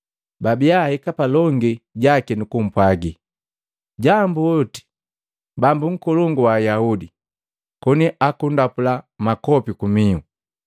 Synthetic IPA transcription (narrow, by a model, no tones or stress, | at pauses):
babiahɛkapalɔŋɡiɟakinukum̩pwaɡi | ɟambuɔti̥ | bambuŋ̩kɔlɔŋɡuwaːjaudi | kɔniʔakundapulamakɔpikumiu